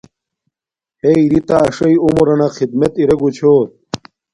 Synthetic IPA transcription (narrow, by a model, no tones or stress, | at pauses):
heiɾit̪aːʂɐjomoɾɐnaxid̪mɐt̪iɾɐɡut͡ɕʰoːt̪̚